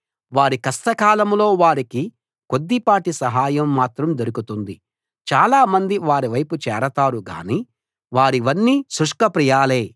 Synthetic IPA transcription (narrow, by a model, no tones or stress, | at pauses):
ʋaːɾikɐst̪ɐkaːlɐmlo̞ːʋaːɾiki | ko̞d̪ːipaːʈisɐɦaːjɐmːaːt̪ɾɐmd̪oɾukut̪und̪i | t͡ʃaːlaːmɐnd̪iʋaːɾiʋɐjput͡ʃɛːɾɐt̪aːɾuɡa̰ːniː | ʋaːɾiʋɐnːiːsɾuʂkɐpɾijaːleː